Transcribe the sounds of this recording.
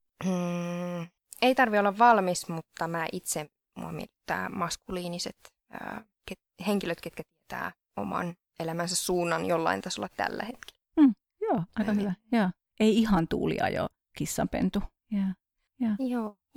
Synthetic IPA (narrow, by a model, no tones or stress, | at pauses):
eit̪ɑrʋiolːɑʋʋɑlmismut̪ːɑmæːʔit̪se | mṵɑmḭelit̪ːæ̰ːmɑskuliːniset̪ | ə̰ | ket | heŋkiløt̪ket̪kæt̪iet̪æ̰ː | o̰mɑ̰n | elæmænsæssuːnːɑnjolːɑ̰int̪ɑsolːɑtt̪æ̰lːæ̰het̪ki̥lːm̩ː | joːɑikɑhyʋæjɑː | ʔeiihɑnt̪ṵːlḭɑ̰jo̰ | kisːɑmpḛnt̪u | jæː | jæːjoː